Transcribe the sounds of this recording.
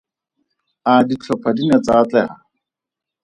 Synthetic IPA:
adit͡ɬʰɔpʰadinɛt͡saːt͡ɬɛha

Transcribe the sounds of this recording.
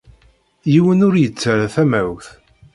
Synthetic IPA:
jiwənʊɾjət͡sːəɾaθæmæwθ

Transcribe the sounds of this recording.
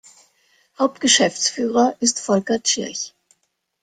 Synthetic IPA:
haʊp̚tɡ̥əʃɛft͡sfyːʁɐʔɪstfɔlkɐt͡ʃɪɐç

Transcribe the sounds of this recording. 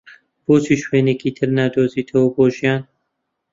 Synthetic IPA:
b̥oːt͡siːʃweːneːkʰiːt̪ʰɨɾnaːd̪oːziːt̪ʰɐwoboːʒijaːn

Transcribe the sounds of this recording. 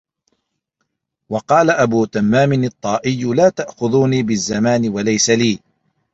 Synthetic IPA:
wɑqɑːlaʔabuːt̪amːaːmɪnɨt̪ˤːɑːʔɪjːlaːt̪aʔxʊðuːniːbɪzːamaːnɪwalajsaliː

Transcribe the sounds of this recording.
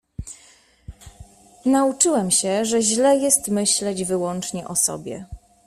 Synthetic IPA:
naut͡ʂɘwɛmɕɛʐɛʑlɛjɛst̪mɘɕlɛd͡ʑvɘwɔnt͡ʂɲɛʔɔsɔ̰bʲjɛ̰

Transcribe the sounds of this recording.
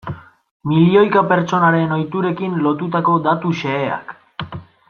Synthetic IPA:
milio̞jkape̞ɾt͡so̞naɾe̞no̞jt̪uɾe̞kinlo̞t̪ut̪ako̞d̪at̪uʃe̞ːa̰k

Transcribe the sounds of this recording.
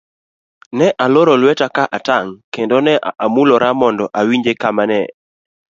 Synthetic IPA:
nɛʔaloɾɔlwɛtakaʔataŋkendonɛʔʔamulɔɾamɔndɔʔawiɲd͡ʒekamanɛ̰

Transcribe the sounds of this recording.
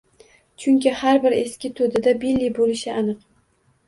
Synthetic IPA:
t͡ʃʰʊŋkʲɪhaɾbɪɾeskʲɪt̪ʰod̪ɪd̪abilːibolɪʃɪanɨq

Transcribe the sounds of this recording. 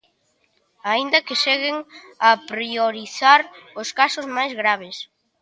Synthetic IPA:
aind̪ɐkeʃeɣɪŋɐpɾioɾiθaɾʊskasʊzmajzɣɾaβ̞ɪs

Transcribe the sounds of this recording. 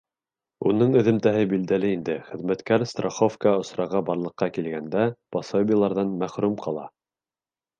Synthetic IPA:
unɤɴɵ̆ðɘ̆mt̪æɦɘbild̪ælɘind̪ɘχɘ̆ðmæt̪kæɾst̪roχofkɑŏsɾɑʁɑbɑɾlˠɤ̆qːɑkilɡænd̪æpɑsobʲɪjlˠɑɾðɑnmæχɾʉmqʰɑlˠɑ̰

